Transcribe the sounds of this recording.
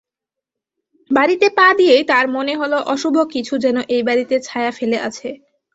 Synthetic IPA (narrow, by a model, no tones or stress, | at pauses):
baɾit̪epad̪ijejt̪aɾmoneɦoloʔɔʃubʱokit͡ɕʰud͡ʑɛnoʔejbaɾit̪et͡ɕʰaeafeleʔat͡ɕʰe